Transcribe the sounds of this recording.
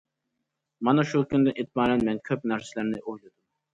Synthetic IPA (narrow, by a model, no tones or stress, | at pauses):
mɑnɑʃukʲynd̪ɪʔit̪̚mɑːnɛnmɛnkʲʰøpnæɾsɪlæɾnɪʔojlˠɨd̪um